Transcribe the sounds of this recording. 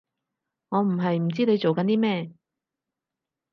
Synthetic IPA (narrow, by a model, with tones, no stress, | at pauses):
ŋɔː˨˧m̩˨˩ɦɐ˨jm̩˨˩t͡siː˥ne˨˧jt͡so˨wkɐ˨˥nt̪iː˥mɛː˥˩